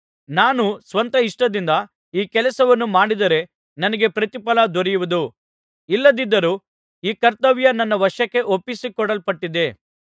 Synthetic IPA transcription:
naːnusʋɐnt̪ɐiʂʈɐd̪ind̪ɐ | iːkɛlɐsɐʋɐnːumaːɽid̪ɐɾe̞ | nɐnɐɡe̞pɾɐt̪ipɐlɐd̪ɔɾɛjuʋud̪u | ilːɐd̪id̪ːɐɾuː | iːkɐɾt̪ɐʋjɐnɐnːɐʋɐʂɐkːe̞ʔopːisikɔɽɐlpɐʈːid̪e̞

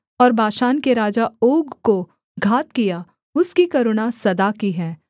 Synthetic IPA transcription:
ɔːɾbʱaːʃaːnkeɾaːd͡ʒaoːɡko | ɡʱaːt̪kija | ʊskikɐɾʊɽasɐd̪akiɦɛ̃ː

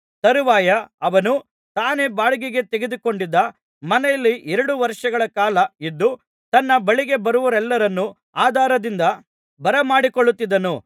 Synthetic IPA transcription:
t̪ɐɾuʋaːjɐɐʋɐnu | t̪aːne̞ːbaːɭuɡiɡet̪eɡed̪uko̞ɳɖid̪ːɐ | mɐnɛjɐlːiʔɛɾɐɽuʋɐɾʂɐɡɐɭɐkaːlɐid̪ːu | t̪ɐnːɐbɐɭiɡe̞bɐɾuʋɐɾɛlːɐɾɐnːu | aːd̪ʱaːɾɐd̪ind̪ɐ | bɐɾɐmaːɽikoɭːut̪ːid̪ːɐnu

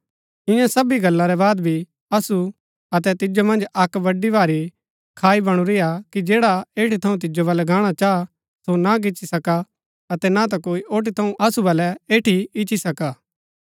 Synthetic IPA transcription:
ɪ̃jãsɐbiɡɐlːãɾɛbaːd̪bʱi | ɐsu | ɐt̪ɛt̪ɪd͡ʒomɐ̃nd͡ʒɐkbɐɖibaːɾi | kʰaːibɐɽ̃uɾɪjakid͡ʒeːɽaeːʈit̪ʰɐũt̪̬ɪd͡ʒobɐlɛɡaːɽ̃at͡ʃaːa | sonaɡ̬ɪt͡ʃːisɐka | ɐt̪ɛnat̪̬akoːiʔoːʈ̬it̪ʰɐũɐsubɐlɛeːʈʰiɪt͡ʃisɐkaː

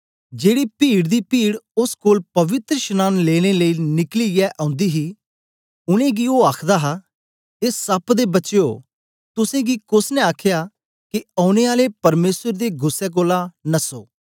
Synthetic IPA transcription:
d͡ʒeːɽipiːɽd̪iːpiːɽʊskoːlpɐʋɪt̪ɾəʃənaːnleːɽ̃eləiːnɪkliːɡɛʔãːʊ̃nd̪iːɦiː | ʊnẽːɡioːaːkʰd̪aːɦa | eːsɐpd̪ebɐt͡ʃeoː | t̪ʊsẽːɡiːkʊsnɛ̃aːkʰjaː | kiãːʊñeːaːlepɐɾmeːsəɾd̪eːɡʊsːɛːk̬oːlanɐsoː

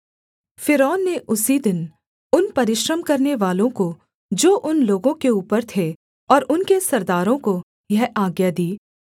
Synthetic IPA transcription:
fɪɾɔːnːeʔʊsid̪ɪn | ʊnpɐɾɪʃɾəmkɐɾneʋaːlõko | d͡ʒoːʔʊnloːɡõkeuːpəɾt̪ʰe | ɔːɾʔʊnkesɐɾd̪aːɾõko | jɐɦaːɡjad̪iː

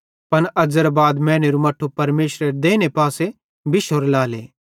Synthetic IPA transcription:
pɐnɐd͡ʒəɾbaːd̪mɛ̃ːñeɾumɐʈʰːupɐɾmeːʃɾeɾd̪eːñepaːse | bɪʃoːɾlaːleː

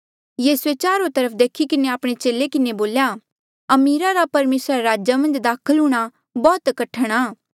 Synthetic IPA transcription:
jeːseːt͡ʃaːɾõt̪ɐɾəpʰd̪eːkʰikɪneaːpɽ̃et͡ʃeːlekɪneboːlja | ɐmiːɾaɾapɐɾmeːsɾaɾaːd͡ʒamɐ̃nd͡ʒd̪aːkʰəlɦʊːɽ̃a | bɔːt̪kɐʈʰəɽ̃aː

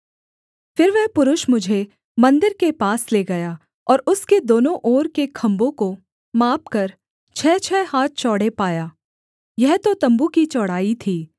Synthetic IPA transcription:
fɪɾʋɛɦpʊɾʊʃmʊd͡ʒʱe | mɐ̃nd̪ɪɾkepaːsleːɡɐjaː | ɔːɾʊsked̪oːnõʔɔːɾkekʰɐ̃mbõko | maːpkɐɾ | t͡ʃʰɛːt͡ʃʰɛːhaːt̪̚t͡ʃɔːɽ̤epaːjaː | jɛɦt̪ot̪ɐ̃mbukit͡ʃɔːɽ̤aːit̪ʰiː

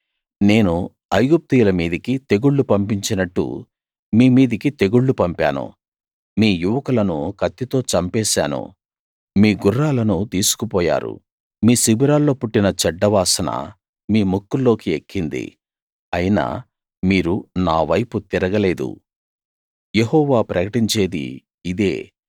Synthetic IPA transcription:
ne̞ːnu | ɐjɡup̚t̪ijulɐmiːd̪ɐkit̪e̞ɡuɭːupɐmpiɲt͡ʃinɐʈːṵ | miːmiːd̪ɐkit̪e̞ɡuɭːupɐmpa̰ːnṵ | miːjuʋɐkɐlɐnukɐt̪ːit̪o̞ːt͡ʃɐmpɛːsa̰ːnṵ | miːɡurːaːlɐnut̪iːsu̥kupɔːja̰ːɾṵ | miːsibiɾaːlːo̞ːpuʈːinɐt͡ʃɛɖːɐʋaːsɐnɐ̰ | miːmukːulːo̞ːkiekʰːind̪ḭ | ɐjina̰ː | miːɾunaːʋɐjput̪iɾɐɡɐle̞ːd̪ṵ | jeɦɔːʋaːpɾɐkɐʈiɲt͡ʃe̞ːd̪ḭː | d̪ḛː

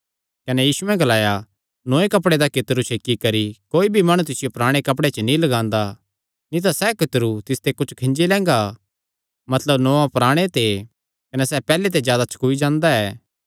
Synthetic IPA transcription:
kɐnɛjiːsuɛ̃ɡɐlaːja | nõːẽkɐp̬ɽed̪akɪt̪ɾut͡ʃʰeːkːikɐɾikoːibʱimɐɽ̃ut̪̬ɪsɪjopɾaːɽ̃ekɐp̬ɽet͡ʃənĩlɐɡãːnd̪a | nĩt̪̬asɛkɪt̪əɾut̪ɪst̪ekʊt͡ʃʰkʰɪ̃nd͡ʒilɛ̃ːŋ̆ɡa | mɐt̪ləbnoːãpɾaːɽ̃et̪e | kɐnɛsɛpɛːlet̪̬ezjaːd̪at͡ʃʰɐ̥kuid͡ʒãːnd̪aɛː

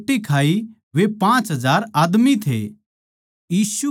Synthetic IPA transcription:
ʈikʰaːi | ʋepãːt͡ʃɦɐzaːɾaːd̪mit̪ʰḛː | jiːsu

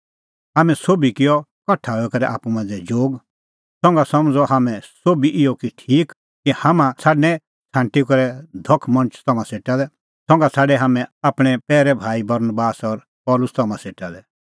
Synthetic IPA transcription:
ɦaːmɛ̃soːbikɪjɔkɐʈʰaːɛkɐɾɛʔa̰ːpumãːd͡zɛd͡ʒoːɡ | sɔ̃ŋɡasɐmd͡zɔɦaːmɛ̃soːbiʔɪjɔkiʈʰiːk | kihamãsʰaːɖnɛ̃ | t͡sʰãːɳʈikɔɾɛd̪ʱɔkʰːmɐ̃nt͡ʃt̪ɐmãseːʈalɛ | sɔ̃ŋɡasʰaːɖɛɦaːmɛ̃aːpɽ̃ɛpɛːɾɛbʱaːibɐɾnbaːsɔɾ | pɔːlʊst̪ɐmãseːʈalɛ

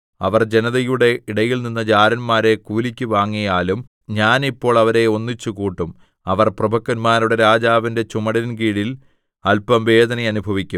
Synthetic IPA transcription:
ɐʋɐrd͡ʑe̞nɐðɐjuɽe̞ʔiɽɐjilninːɐd͡ʑaːɾɐnmaːɾe̞kuːlikʲːuʋaːŋːijaːlum | ɲaːnipːo̞ːɭɐʋɐɾe̞o̞nːit͡ɕːukuːʈːum | ɐʋɐrprɐbʱɐk̚t̪ɐnmaːɾuɽe̞ɾaːd͡ʑaːʋinde̞t͡ɕumɐɽɐnɡiːɽil | ɐlpɐmʋe̞ːd̪ʱɐnɐjɐnubʱɐʋikʲːum

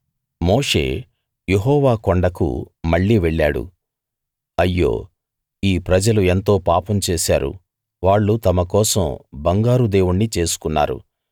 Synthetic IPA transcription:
moːʂe̞̰ː | je̞ɦɔːʋaːkoɳɖɐkṵmɐɭːiːʋeɭːaːɽṵ | ɐjːo̰ː | iːpɾɐd͡ʒɐlue̞nt̪o̞ːpaːpɐmt͡ʃe̞ːsa̰ːɾṵ | ʋaːɭːut̪ɐmɐkɔːsɐmbɐŋɡaːɾud̪eːwuɳːit͡ʃe̞ːsu̥kunːa̰ːɾṵ

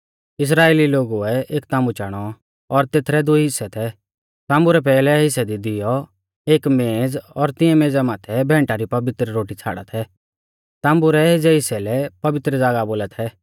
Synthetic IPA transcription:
ɪs̬ɾaːeːliloːɡuɛeːkt̪ãːmbut͡ʃaːɽ̃ɔ | ɔɾt̪eːt̪ʰɾɛd̪ʊiɦɪsːɛt̪ʰɛ | t̪ãːmbuɾɛp̬ɛːlɛɦɪsɛd̪id̪ɪjɔ | eːkmẽːd͡zɔɾt̪ɪ̃ɛ̃mẽːd͡zamaːt̪ʰɛbʱɛ̃ːɳʈaɾipɐʋɪt̪ɾɾoːʈit͡sʰa̰ːɽa̰t̪ʰɛ | t̪ãːmbuɾɛɦɪsɛɦɪsɛlɛpɐʋɪt̪ɾd͡zaːɡaboːlat̪ʰɛ

